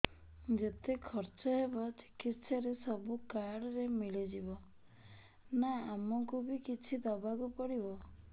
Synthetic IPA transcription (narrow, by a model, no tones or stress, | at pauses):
d͡ʒet̪ekʰɔɾt͡ʃɔɦebɔt͡ʃe̥kitsʰɔɾesɔbukaɽɔɾemiɭed͡ʒibɔ | naːmɔŋkubikit͡ʃʰid̪ɔbʱaɡupɔɽibɔ